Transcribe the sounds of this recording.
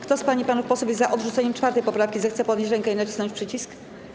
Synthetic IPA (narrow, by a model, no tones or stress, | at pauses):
kt̪ɔspaɲipanufpɔsupjɛzzaʔɔd̪ʐut̪sɛɲɛmt͡ʂfaɾt̪ɛjpɔpɾafkʲizɛxt̪sɛpɔd̪ɲet͡ɕɾɛŋkɛinat͡ɕi̥snɔ̃ɲt͡ɕpʂɘt͡ɕisk